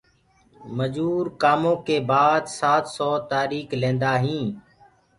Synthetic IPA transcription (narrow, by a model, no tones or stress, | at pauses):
məd͡ʒuːɾkaːmõːkeːbaːd̪saːt̪sɔːt̪aːɾiːkʰlẽːnd̪aːɦĩː